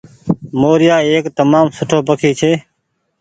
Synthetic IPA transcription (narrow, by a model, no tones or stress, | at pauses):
moːɾɪjaːeːkt̪əmaːmsʊʈʰoːpəkʰiːt͡ʃʰeː